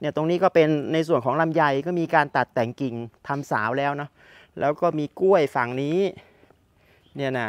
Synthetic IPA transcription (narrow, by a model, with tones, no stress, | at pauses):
ni˥˩t̪o˧ŋniː˦˥kɔː˥˩pe˧nːa˧js̬u˨˩ənkʰɔː˩˦ŋla˧mja˧jkɔː˥˩miː˧kaː˧nt̪a˨˩t̪ːɛː˨˩ŋki˨˩ŋt̪ʰa˧msaː˩˦wlɛː˦˥wnɔ˦˥ | lɛː˦˥wkɔː˥˩miː˧ku˥˩əjfa˨˩ŋniː˦˥ | ni˥˩na˧˩